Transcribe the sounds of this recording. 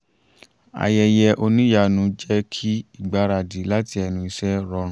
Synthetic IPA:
a̰˨jɛ˧jɛ˧ʔo˧nĩ˦ja˧˨nũ˧˦d͡ʒɛ˦kʰi˦i˦˨ɡ͡ba˨˦ɾa˧˨di˨˦la˦ti˧˦ɛ˧nũ˧i˧sɛ˦ɾɔ˧˦ɾũ˨˦

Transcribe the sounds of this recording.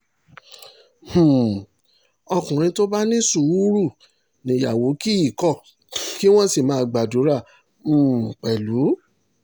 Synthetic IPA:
h̩˨ | ɔ˧kũ˨ɾ̃ĩ˧to˦ba˦nĩ˦su˦˨˦u˦ɾu˦˨ | nĩ˨˦ja˨wo˨˦ki˦i˦˨kɔ˦˨ | ki˦w̃ɔ̃˦si˦˨mãː˨˧˦ɡ͡ba˨du˨˦ɾã˦˨ | k͡pɛ˨lu˨˦

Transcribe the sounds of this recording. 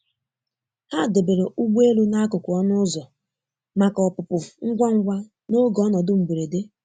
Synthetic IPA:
ha˦˨de˨be˨ɾe˨ʔʊ˦ɡ͡bu˦e˦lu˦na˦kʊ˨kʊ˨ɔ˦nʊ˦zɔ˨ | ma˨kɔ˨pʊ˨pʊ˨ŋ̩˦ɡʷa˦ŋ̩˦ɡʷa˦ | no˦ɡɔ˦nɔ˨dʊ˦m̩˨ɡ͡be˨ɾe˨de˦

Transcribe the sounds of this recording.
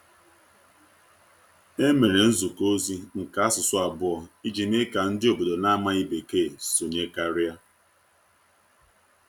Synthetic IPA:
e˦me˨ɾe˨n̩˦zu˨ko˦zi˦ŋ̩˨ka˨a˦sʊ˨sʊ˦a˨bʊ˦ɔ˨i˦d͡ʒi˨ne˦ka˨n̩˦dɪ˦o˨bo˨do˨na˦ma˦i˦be˨keː˦˨so˨ɲe˦ka˦ɾɪ˦a˦

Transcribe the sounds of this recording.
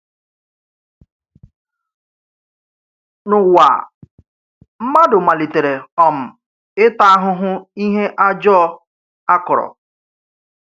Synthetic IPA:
nʊ˨wʷa̰˨ | m̩˦ma˦dʊ˨ma˨li˨te˨ɾe˨ɔ˨m̩˨ | ɪ˦ta˦a˦ɦʊ˦ɦʊ˦i˦ɦe˦ʔa˦d͡ʒɔ˦ | a˦kʊ˨ɾɔ̰˨

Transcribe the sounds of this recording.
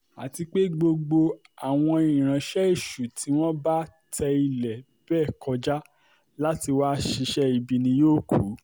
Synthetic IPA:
a̰˨ti˧k͡pe˦ɡ͡bo˧ɡ͡bo˧ | a˨w̃ɔ̃˧i˨ɾ̃ã˨ʃɛ˦i˦˨ʃu˨tʰi˨˦w̃ɔ̃˦ba˦tʰɛ˧i˧lɛ˨ | b̥ɛː˦˨kʰɔ˧d͡ʒa˦ | la˦ti˧wa˦ʃi˧ʃɛ˦i˧bi˧nĩ˧joː˦˨ku˨˦

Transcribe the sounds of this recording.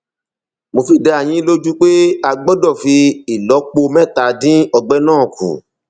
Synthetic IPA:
mo˧fi˦˨dɛ˧a˨j̃ĩ˨˦lo˦d͡ʒu˦k͡pe˦a˧ɡ͡bɔ˦dɔ˦˨fi˧i˨lɔ˨˦k͡po˧mɛ̃˦˨ta˨˦dĩ˦ɔ˧ɡ͡bɛ˦nãː˦˨kʰṵ̃˨

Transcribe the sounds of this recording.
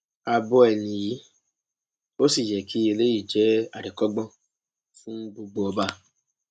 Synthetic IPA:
a˧bɔ˧ɛ˨nĩ˨ji˨˦ | o˦si˨jɛ˨kʰi˦e˨le˦i˦˨d͡ʒɛ˨˦a˨ɾi˨kɔ˦ɡ͡bɔ̃˦ | fũ˦ɡ͡bu˧ɡ͡bo˨˦ɔ˧ba˦˨

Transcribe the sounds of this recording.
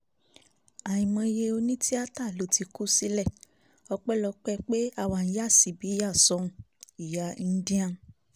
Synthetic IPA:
a˨ĩ˨mɔ̃˧je˧o˧nĩ˦ti˦a˦ta˦˨lo˨˦ti˧ku˦si˦lɛ˦˨ | ɔ˧k͡pɛ˦lɔ˧k͡pɛ˦k͡pe˦a˦˨wa˧n̩˧˦ja˦˨si˨bi˨˦a˦˨sɔ˨˧ũ˨ | i˨ja˧ĩ˧n˦di˦ã˦˨

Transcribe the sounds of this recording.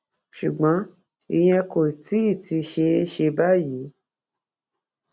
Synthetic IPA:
ʃu˨ɡ͡bã˨˦ | i˧j̃ɛ̃˧ko˨ti˦i˦˨ti˧ʃe˧e˦ʃe˧ba˦ji˨˦

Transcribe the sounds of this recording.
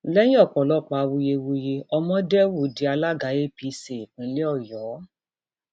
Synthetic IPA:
lɛ˦j̃ĩ˦ɔ˦˨k͡pɔ˨lɔ˦˨k͡pa˧˨˧wu˧je˧wu˧je˧ɔ˧mɔ̃˦dɛ˦wu˦˨˦di˨˦a˧la˦ɡa˨˦je˦pi˨˧˦se˨k͡pĩ˨˦lɛ˦ɔ˦˨jɔː˨˦

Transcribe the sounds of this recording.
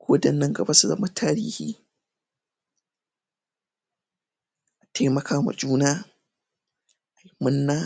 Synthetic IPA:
kʰʷoː˦dɐ˨nːɐ˦ŋɡɐ˨ba˦su˨zɐ̰˦ma˦tʰaː˦ɾḭː˦hiː˦ | ʔa˨tʰa˦jmɐ˨kʰaː˦ma̰˨d͡ʒʼuː˦naː˦ | ʔa˨jmʊ˦nːaː˦

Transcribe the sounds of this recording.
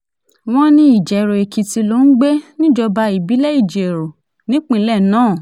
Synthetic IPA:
w̃ɔ̃˦nĩ˦i˦˨d͡ʒɛ˨˦ɾo˨e˨ki˨˧ti˧lo˦n̩˦ɡ͡be˦nĩ˦d͡ʒɔ˧ba˧i˨bi˨˦lɛ˦i˦˨d͡ʒe˨e˨ɾo˨ | nĩ˨˦k͡pĩ˦˧˨lɛ˦˨nãː˦˨

